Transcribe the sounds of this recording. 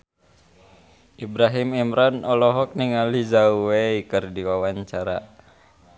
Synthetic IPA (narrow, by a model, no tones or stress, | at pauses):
ʔibɾaɦimimɾanɔlɔɦɔk̚niŋalizauweikɨrdiwawaɲt͡ʃaɾa̰